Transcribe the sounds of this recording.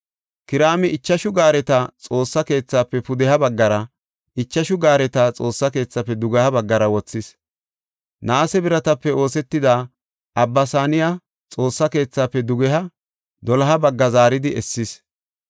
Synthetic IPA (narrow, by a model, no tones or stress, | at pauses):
kɪɾaːmɪʔɪt͡ʃːɐʃʊɡaːɾɛt̪ɐt͡sʼo̞ːsːɐke̞ːt͡sːaːpːɛpʊd̪ɛhɐbɐɡːɐɾɐ | ɪt͡ʃːɐʃʊɡaːɾɛt̪ɐt͡sʼo̞ːsːɐke̞ːt͡sːɐpːɛd̪ʊɡɛhɐbɐɡːɐɾɐwɔt͡sːɪs | naːsɛbɪɾɐt̪ɐpːɛo̞ːsɛt̪ːɪd̪aː | ʔɐbːɐsaːnɪja | t͡sʼo̞ːsːɐke̞ːt͡sːaːpːɛd̪ʊɡɛɦɐ | d̪ɔlɐɦɐbɐɡːɐzaːɾɪd̪ɪɛsːɪs